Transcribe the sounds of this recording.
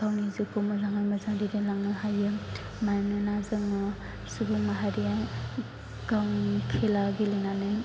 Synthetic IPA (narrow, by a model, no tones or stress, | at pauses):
awnizɯkomɯzaŋajmazaŋdidenlaŋnɯɦajɯ | majnɯnazɯŋɯ | subɯmaɦaɾia | ɡ̥awŋkʰelaɡelinanɯ